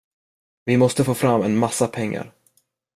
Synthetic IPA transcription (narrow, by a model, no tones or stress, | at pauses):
vɪmɔst̪əfoːfɾamːɛnmasːapʰɛŋːa̰ɾ